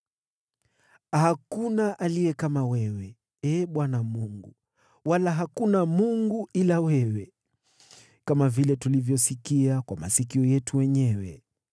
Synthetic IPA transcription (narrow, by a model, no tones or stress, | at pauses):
hakunaʔalijɛkamawɛwɛ | ɛːɓwanamuŋɡṵ | walaɦakunamuŋɡuʔilawɛwɛ | kamavilɛtulivjɔsikiakwama̰sikiɔjɛtʰuwɛɲɛwɛ̰